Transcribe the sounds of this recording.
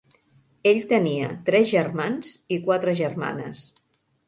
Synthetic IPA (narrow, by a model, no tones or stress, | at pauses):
eʎt̪əniət̪ɾɛzʒərmanzikwat̪ɾəʒərma̰nə̰s